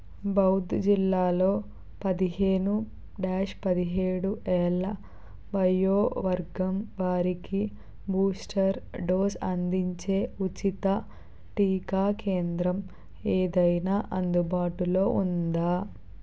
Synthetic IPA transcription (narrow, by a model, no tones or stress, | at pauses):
bɐwd̪d͡ʒilːaːlo̞ː | pɐd̪iɦeːnu | ɖaːʃpɐd̪iɦeːɽuʔɛːlɐ | bɐjoːʋɐɾɡɐmʋaːɾiki | buːsʈʰɐɾɖoːsɐ̰nd̪iɲt͡ʃe̞ːut͡ʃit̪ɐ | ʈiːkaːkeːnd̪ɾɐm | eːd̪ɐjnaːʔɐnd̪ubaːʈulo̞ːʔund̪aː